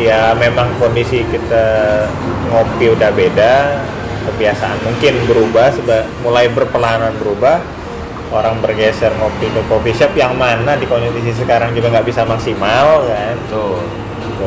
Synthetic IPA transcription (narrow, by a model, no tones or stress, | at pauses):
jamemaŋkondisikit̪a | ŋopiudahbeda | kəbiasaʔanmuŋkɪnbəɾubahsəbamulajbərpəlaɦananbəɾubah | oɾaŋbərɡɛsərŋopit̪okofiʃɛpjaŋmanadikonditis̬is̬əkaɾaŋd͡ʒuɡaŋɡaʔbisamaksimalkan | t̪